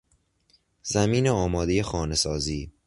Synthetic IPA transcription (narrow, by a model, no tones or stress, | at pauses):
zæmiːneɒːmɒːd̪ejexɒːne̞sɒːziː